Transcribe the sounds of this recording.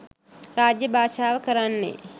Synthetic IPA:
ɾaːd͡ʒjɐbʱaːʃaːʋəkəɾanːḛː

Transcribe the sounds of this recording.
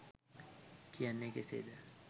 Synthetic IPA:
kʰijanːekesḛːd̪ə

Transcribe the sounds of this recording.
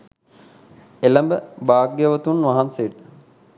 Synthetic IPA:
eləmbəbaːɡjəʋət̪unʋaɦanseəʈə̥

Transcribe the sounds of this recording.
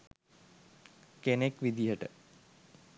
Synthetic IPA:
kenekʋid̪ijəʈə

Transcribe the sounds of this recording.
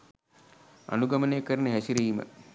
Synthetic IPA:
a̰nuɡamənejəkəɾənəɦɛsiɾiːmə̰

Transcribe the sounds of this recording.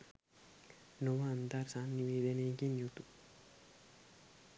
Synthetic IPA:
noʋaːnd̪aɾsaːnːiʋeːd̪ɐnejɡinjut̪u

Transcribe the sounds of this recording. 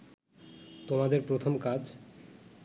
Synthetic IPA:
t̪omad̪eɾpɾot̪ʰomkad͡ʑ

